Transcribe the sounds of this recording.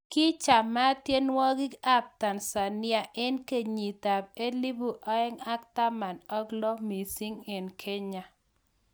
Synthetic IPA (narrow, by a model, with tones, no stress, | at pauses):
ki˦t͡ʃa˨ma˦tje˦nwɔ˦ɡɪ˦a˦p̚ta˨nsa˨nɪ˦a˨ʔɛ˦nke˨ɲi˨ta˨pe˦li˦bu˨ʔɔ˦ɛ˦ŋa˦kta˦ma˨nɔ˦ɡlɔ˦mi˨si˦ŋɛ˨nkʰe˦ɲa˨